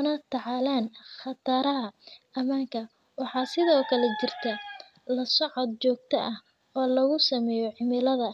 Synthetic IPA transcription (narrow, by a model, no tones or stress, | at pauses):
nɐt̪ʰɑʕɑːlaːnχɑt̪ʰaːɾɐɦɐʔɐmaːŋkʰɐ | wɑħɑːsɪðɔːkʰɐlɛt͡ʃɪrt̪ʰɐ | lɐsɔʕɔd̪̚t͡ʃɔːɡ̚t̪ʰɐʔɐh | ɔːlɐɣʊsɐmɛːjɔʕɪmɪlɐðɐ